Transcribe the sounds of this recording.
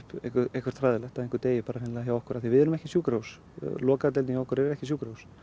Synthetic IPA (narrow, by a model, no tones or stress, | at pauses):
pɛ̰hkʏɾɛjhkvʏɾ̥t̪fɾaːðɪlɛxt̪aðenŋkʏɾt̪eːjɪpaːɾaɾɪnɪlaçjawɔhkʏɾaθivɪðɛɾʏmɛhcɪsjuːkɾows | lɔːkat̪ɛliçaɔhkʏɾɛɾɾɛhcɪs̬uːkɾows